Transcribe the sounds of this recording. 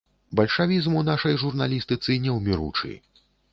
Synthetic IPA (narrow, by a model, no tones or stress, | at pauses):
bɐlʲʂavʲizmunaʂɐjʐurnalʲist̪ɨt̪sɨnʲɛwmʲiɾṵt͡ʂɨ̰